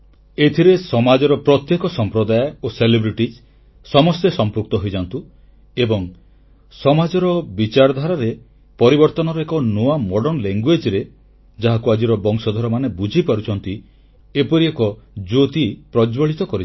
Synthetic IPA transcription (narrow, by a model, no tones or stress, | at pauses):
et̪ʰiɾesɔmad͡ʒɔɾɔpɾɔt̪jekɔsɔmpɾɔd̪ajɔoselebɾiʈid͡ʒ | sɔmɔst̪esɔmpuk̚t̪ɔɦojd͡ʒant̪u | ebɔŋ | sɔmad͡ʒɔɾɔbit͡ʃaɾd̪ʱaɾaɾe | pɔɾibɔɾt̪ɔnɔɾɔekɔnoamɔɽɔnleŋɡwed͡ʒɾe | d͡ʒaɦakuad͡ʒiɾɔbɔŋsɔd̪ʱɔɾɔmanebud͡ʒʱipaɾut͡ʃʰɔnt̪i | epɔɾiekɔd͡ʒot̪ipɾɔd͡ʒbɔɭit̪ɔkɔɾi